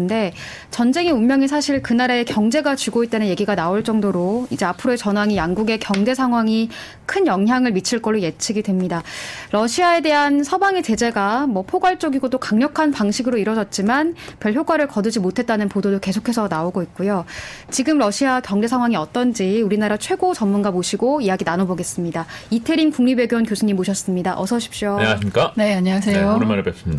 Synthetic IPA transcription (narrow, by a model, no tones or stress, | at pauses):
de̞ | t͡ɕʌnd͡ʑe̞ŋeummjʌŋis̬ʰaɕʰiɭkɯnaɾaekjʌŋd͡ʑe̞ɡat͡ɕuɡoit͈̚anɯnje̞ɡiɡanaoɭt͡ɕ͈ʌŋdoɾoid͡ʑe̞apʰɯɾoe̞t͡ɕʌnɦwaŋijaŋɡuɡe̞kjʌŋd͡ʑe̞sʰaŋɦwaŋi | kʰɯnjʌŋɦjaŋɯɭmit͡ɕʰɯɭk͈ʌɭːoje̞t͡ɕʰiɡidwe̞mɲidaɾʌɕʰiae̞de̞ɦansʰʌbaŋit͡ɕe̞d͡ʑe̞ɡamwʌpʰoɡwaɭt͡ɕ͈ʌɡiɡot͈okaŋɲʌkʰanpaŋɕʰiɡɯɾoiɾʌd͡ʑʌt̚t͡ɕ͈imanpjʌɭçjoɡwaɾɯɭkʌdɯd͡ʑimotʰe̞t̚t͈anɯnpododoke̞sʰokʰe̞sʰʌnaoɡoit̚k͈ujo | t͡ɕiɡɯmɾʌɕʰiakjʌŋde̞sʰaŋɦwaŋiʌt͈ʌnd͡ʑiuɾinaɾat͡ɕʰwe̞ɡot͡ɕʌmmːunɡamoɕʰiɡoijaɡinanoboɡe̞s͈ɯmɲidaitʰeɾinkuŋɲibe̞ɡjonkjosʰuɲːimːoɕʰʌs͈ɯmɲidaʔʌsʰʌɕʰi̥p̚ɕ͈oɲaɕimɲik͈aneaɲiasʰejoɾɯmaɾebjʌs͈ɯmid